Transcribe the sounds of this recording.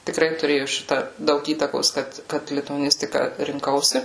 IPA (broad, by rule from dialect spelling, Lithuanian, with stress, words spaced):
tʲɪˈkrɐɪ tʊˈrʲeːjʊ ˈʃʲɪtɐ ˈdɐʊk ˈiːtɐkoːs ˈkɐt ˈkɐt lʲɪtʊɐˈnʲɪsʲtʲɪkɐ rʲɪŋˈkɐʊsʲɪ